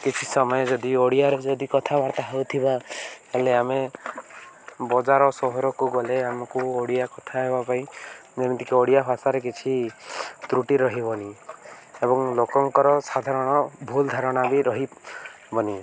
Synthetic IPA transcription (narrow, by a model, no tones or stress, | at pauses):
kit͡ʃʰisɔmɔjɔd͡ʒɔd̪ioɽijaɾed͡ʒɔd̪ikɔt̪ʰabaɾt̪aɦawt̪ʰibaeleame | bɔd͡ʒaɾɔsɔɦɔɾɔkuɡɔleamɔkuoɽijakɔt̪ʰaɦebapaĩnemt̪ikeoɽijapʰasaɾek̬it͡ʃʰit̪ɾuʈiɾɔɦibɔni | ebɔŋlokɔŋkɔɾɔsad̪ʱaɾɔɽ̃ɔbʱuld̪ʱaɾɔɽ̃abiɾɔɦi | bɔni